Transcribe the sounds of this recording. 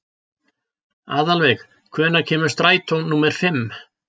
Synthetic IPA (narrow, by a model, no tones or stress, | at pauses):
aːðalvɛjx | kʰvɛːnacʰɛːmʏɾ̥st̪ɾaːjt̪ʰownːuːmɛɾ̥fɪmː